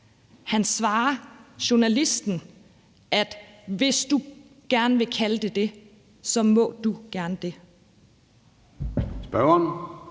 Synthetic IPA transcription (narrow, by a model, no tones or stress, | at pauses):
hænsʋɑ̈ːɐɕo̝nælisd̥n̩ | ʔæd̥ʋe̝sd̥u | ɡ̥æɐnʋe̝kʰæləd̥e̝d̥e̝ | sɒ̽mɔ̰̽ːd̥uɡ̥æɐnəd̥e̝ | sb̥ɶʊɐn